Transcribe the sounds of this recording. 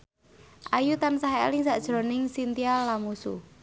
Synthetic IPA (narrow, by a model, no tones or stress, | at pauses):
ʔajut̪ansaɦɛɛ̰lɪŋsaʔd̥ʒ̥ɾo̤nɪŋsint̪ialamusṵ